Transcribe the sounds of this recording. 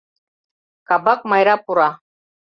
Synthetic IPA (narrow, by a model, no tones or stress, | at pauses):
kɑbɑk̚mɑjɾɑpuɾɑ